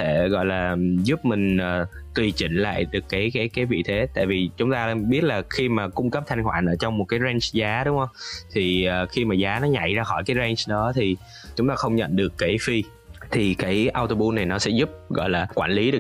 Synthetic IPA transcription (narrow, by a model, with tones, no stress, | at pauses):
t̪ʰe˧˩ɣɔ̰˧˨jlaː˨˩zʊ˦˥p̚mï˨˩ŋ̟ʔəː˨˩ | t̪wi˨˩t͡ɕḭ̈˧˨ŋ̟la̰ː˧˨jɗɨ˨˩əkːaː˨˦jkaː˨˦jkaː˨˦jvḭ˧˨t̪ʰe˨˦t̪a̰ː˧˨jvi˨˩t͡ɕʊ˨˦ŋ͡mt̪aː˧ɓi˦˥ət̚laː˨˩xi˧maː˨˩kʊ˧ŋ͡mkə˦˥p̚t̪ʰa˧jŋ̟hwaː˧˨nʔəː˧˩t͡ɕɔ˧wŋ͡mmo˨˩t̚kaː˨˦jza˧nt͡ɕzaː˨˦ɗʊ˨˦ŋ͡mhə˧wŋ͡mt̪ʰi˨˩əː˨˩xi˧maː˨˩zaː˨˦nɔ˨˦ɲa̰˧˨jzaː˧xɔ˧˩jkaː˨˦jzɛ˧nt͡ɕɗɔ˨˦t̪ʰi˨˩ | t͡ɕʊ˨˦ŋ͡mt̪aː˧xə˧wŋ͡mɲə̰˧˨nɗɨ˨˩əkːaː˨˦jfi˧ | t̪ʰi˨˩kaː˨˦jʔaː˧wt̪o˧ɓu˧na˨˩jnɔ˨˦sɛ̰˧˥zʊ˦˥p̚ɣɔ̰˧˨jlaː˨˩kwaː˧˩nli˨˦ɗɨ˨˩ə